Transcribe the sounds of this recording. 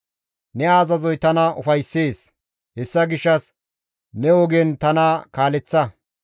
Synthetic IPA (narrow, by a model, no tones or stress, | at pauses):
nɛaːzɐzɔjt̪ɐnɐʔʊfɐjsːeːs | hɛsːɐɡɪʃːɐs | nɛɔɡent̪ɐnakaːlɛt͡sːɐ